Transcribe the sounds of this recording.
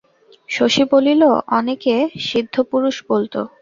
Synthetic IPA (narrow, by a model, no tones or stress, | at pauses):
ʃoʃibolilo̰ʔɔnekeʃid̪ʱːopuɾuʃbolt̪o̰